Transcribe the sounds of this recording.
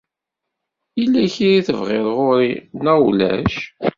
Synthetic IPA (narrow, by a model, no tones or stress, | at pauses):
ilːæçiɾiθəvʁɪɾˤʁʊɾinæwlæ̰ʃ